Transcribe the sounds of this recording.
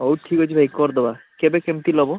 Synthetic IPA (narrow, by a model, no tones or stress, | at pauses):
owʈ̪ʰːikojt͡ɕʰibʱaikːɔɾd̪ɔbakebekemt̪ilɔbo